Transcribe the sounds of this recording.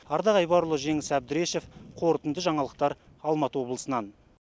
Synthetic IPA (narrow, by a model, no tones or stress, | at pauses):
ɑɾd̪ɑʁɑjbɑɾʊlˠəʒe̞ŋɪsæb̚d̪ɪɾe̞ʃe̞fqʰo̞ɾt̪ənd̪əʒɑɴɑlˠəq̚t̪ɑɾ | ɑlˠmɑt̪əwo̞blˠəsənɑn